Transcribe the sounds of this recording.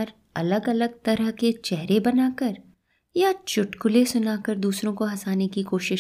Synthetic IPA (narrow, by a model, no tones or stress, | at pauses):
ɾ | ɐləɡɐləɡ̚t̪ɐɾəɦket͡ʃɛɦɾebɐnaːkəɾ | jat͡ʃʊʈkʊlesʊnaːkəɾd̪uːsɾõkoɦɐsaːnekikoːʃɪʃ